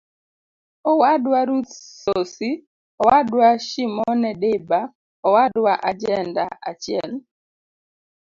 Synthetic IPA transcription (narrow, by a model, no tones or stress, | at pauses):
ɔwadwaɾut̪sosi | ɔwadwaʃimɔnɛɗeba | ɔwadwaʔad͡ʒɛnda̰at͡ʃjɛl